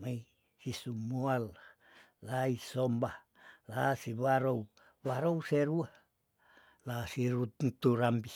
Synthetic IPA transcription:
mai | sisumual | laisombah | lasiβaɾou | βaɾouseɾua | lasiɾut̪uɾambi

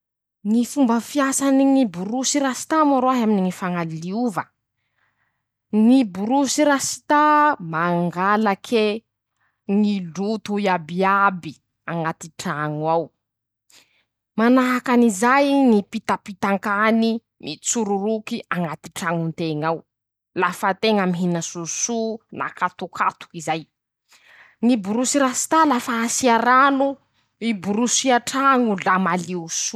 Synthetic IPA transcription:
ŋifumbəfiasaniŋibuɾusiɾasi̥t̪amaɾoaɦaminiŋifaŋalliuvə | ŋibuɾusiɾasi̥t̪amaŋɡalakʰe | ŋilut̪uiabiabi | aŋat̪iʈ͡ʂaŋuaw | manaɦakanizajnipit̪apit̪aŋkani | mit͡suɾuɾukiaŋɡat̪i̥ʈ͡ʂaŋunt̪eŋaw | lafət̪eŋamiɦinəsusuna̰kat̪ukʰat̪u̥kizaj | ŋibuɾusiɾasi̥t̪alafaasiaɾanu | ibuɾusiaʈ͡ʂaŋulamaliusu

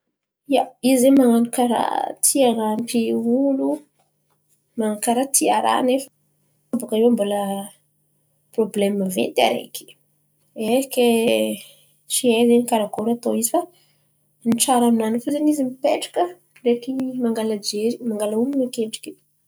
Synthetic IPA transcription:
iaizemaŋanukaɾa̰t̪ʰiaɾampʰeulu | maaukaɾat̪ʰiaɾa̰nefə̥ | bukaewambolə | probleməvḛnt̪a̰ɾḛki̥ | eke | t͡ʃiezenikaɾakolat̪oizifa | niʈ͡ʂaɾaminanafuzenizimipeʈ͡ʂḁkə | rekimaŋɡalad͡ʒeɾimaŋɡalauminakeʈ͡ʂi̥ki

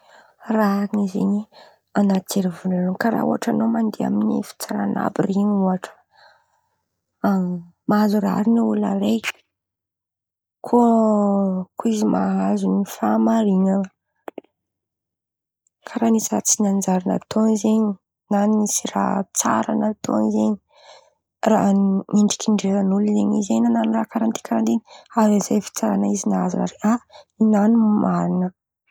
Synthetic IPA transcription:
ranizḛɲi | anat̪ʰeɾivulaluŋkaɾa̰ṵɦaʈ͡ʂanomand̪ea̰minḭfi̥t͡saɾana̰biriɲuaʈ͡ʂə̥ | maazuraa̰ɾinaula̰re̥ | kʰo | kuizimaɦazunifamaɾiŋan | kʰaɾanisira̰t͡sinand͡ʒaɾina̰t̪ʰonizeɲi | nanisira̰t͡sa̰ɾa̰nat̪ʰo̰nizeɲi | ra̰iɳɖ͡ʐi̥kʰiɳɖ͡ʐezanulizeɲizenananirakaɾant̪i̥kʰaɾant̪eɲazazefi̥t͡saɾanaizinaazṵna̰ɾea | inanimaɾinə

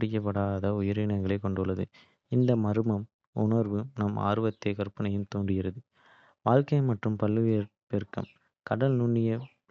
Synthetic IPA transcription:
ɽɪjːɐp̬ːɐɽaːðɐʊjɐɾɪnɐŋɡɐɭɐɪkːɔɳɖɯɭːɐðɯ̰ | ɪnd̪ɐmɐɾɯmɐm | ʊ̰nɐɾʋɯnɐma̰ːɾɯʋɐt̪ːeːkɐɾpɐnɐjɯmt̪oːɳɖɪɣɪɾɐðɯ | ʋaːlkɐɪmɐʈrɯmpɐlːɯʋepeɾkɐ̰m | kɐɽɐlnʊɳːɪjɐ

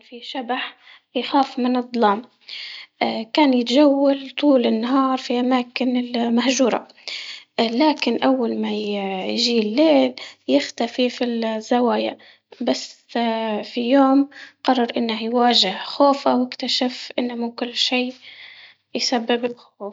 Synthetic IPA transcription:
fiʃabaħ | jxaːfmɪnɨd̪ˤlɑːm | kaːnjɪt̪ʒawːalt̪ˤuːlɪnːaɦɑːɾˤfiʔamaːkɪnɪlmahʒuːɾˤɑ̰ | laːkɪnʔawːalmajjɪʒiːlːeːljɪxt̪afifɪlzːawaːja̰ | basː | fijoːmqɑrˤːɑɾˤʔɪnːahjwaːʒɪhxoːfawjɪkt̪aʃafʔɪnːamuːkʊlːʃiː | jsabːɪbɪlxoːf

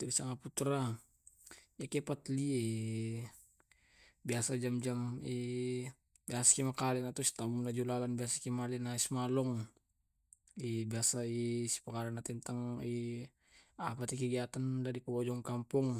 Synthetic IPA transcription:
t̪ɛbisaŋaput̪ɾa | jakɛpat̪liɛ | biasad͡ʒamd͡ʒamɛ | biasḁkimakalɛnat̪usi̥t̪amunad͡ʒulalanbiasakimalɛnaismalɔŋ | ibiasaisi̥pəkaɾanat̪ɛnt̪aŋi | apat̪ik̬əɡiat̪andadikəbɔd͡ʒɔŋkampuŋ

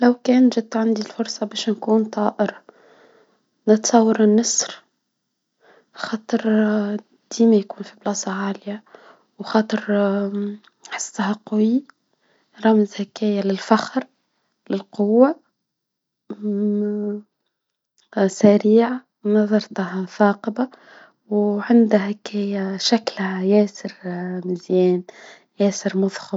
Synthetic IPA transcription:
læwkɛːnʒɪd̪̚t̪ʕand̪ilfʊɾsˤɑbɛːʃnkuːnt̪ˤɑːʔəɾ | nət̪sˤɑwːɑɾˤnːɑsɾ | xɑːt̪ˤəɾ | d̪̥iːmæjkuːnfiblɑːsˤɑʕaːlja | wxɑːt̪ˤəɾ | ħɪ̥sːhaqʊwi | ɾˤɑmzhækæːjalɪlfaxɾ | lɪlqʊwːa | sæɾiːʕa | nɑðˤɑɾˤt̪ahθɑːqɑba | wʕand̪ahækæːjaʃæklhajɛːsɪɾmɪzjɛːn | jæːsɪɾmʊðˤxʊ

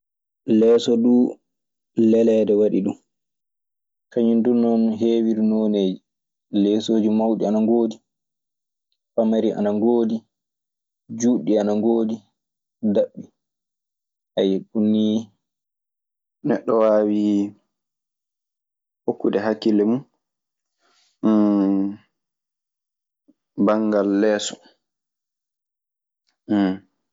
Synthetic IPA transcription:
lɛːsɔɗuː | lɛlɛdɛwaɗḭɗṵm | kaɲindunːɔnɦeːwiɾinoːneːd͡ʒi | lɛːsoːd͡ʒimawɗianaŋɡoːdi | famaɾiʔa̰naŋɡoːdi | d͡ʒuːɗːianaŋɡoːdi | daɓːi | ʔajɛɗunːi | nɛɗːɔwaːwi | hokːudɛɦakːilːɛmun | baŋɡalːɛːsɔ̥

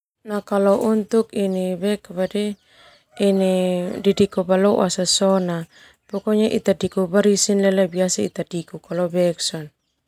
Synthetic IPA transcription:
nakalɔʔunt̪ukinibɛkbadɛ | inididikɔbalɔasasɔna | pɔkɔɲaʔḭt̪adikubaɾisinlɛlabiasaḭt̪adikukalɔbɛksɔn

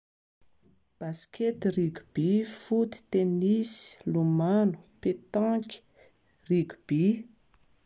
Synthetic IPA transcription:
b̥askʲʰet̪iriɡub̥ifut̪i̥t̪enisi̥lumanu̥pet̪ãkʲi̥ | riɡu̥b̥i

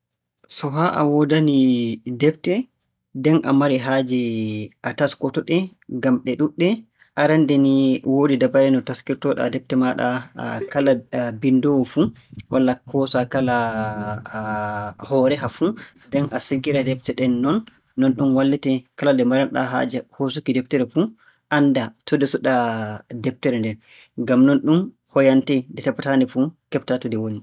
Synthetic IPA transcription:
sɔɦaʔa̰wɔdanidɛf̚tɛ | dɛnʔa̰maɾɛɦad͡ʒiʔataskɔtɔɗɛ | ɡamɗɛɗuɗːɛ | ʔaɾandɛniwodidabaɾɛnɔtaskiɾtɔɗɛ̰a̰dɛp̚tɛmaɗa̰kalabindɔwfu | wʔalːakʰɔsakala | hɔɾɛɦafu | dɛnasiɡiɾadɛp̚tɛɗɛnːɔnː | ɔnɗumwalːitɛkaladɛmaɾanɗa̰ɦa̰ːd͡ʒɛhosukidɛp̚tɛɾɛfu | ʔandatʰudɛsɔɗadɛp̚tɛɾɛndɛn | ŋɡamnɔnɗum | hɔjantɛdɛtapːatanɛfukɛptatɔdɛwoni

